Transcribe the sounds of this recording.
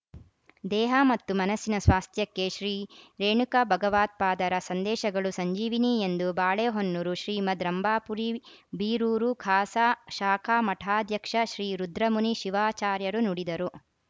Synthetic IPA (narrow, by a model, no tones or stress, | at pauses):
d̪ɛːɦɐmɐt̪ːumɐnɐsinɐsʋaːst̪ʰjɐkːeʃɾiːɾeːɳukɐbʱɐɡɐʋaːt̪̚paːd̪ɐɾɐsɐnd̪ɛːʃɐɡɐɭusɐɲd͡ʒiːʋiniend̪ubaːɭeːɦonːuɾuʃɾiːmɐd̪ɾɐmbaːpuɾibiːɾuːɾukʰaːsaʃaːkʰaːmɐʈʰaːd̪ʱjɐkʂɐʃɾiːɾud̪ɾɐmuniʃiʋaːt͡ʃaːɾjɐɾunuɽid̪ɐɾu